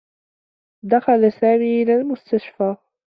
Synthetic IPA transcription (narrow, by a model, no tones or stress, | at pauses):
d̪axalasaːmiːʔɪlaːlmʊst̪aʃfaː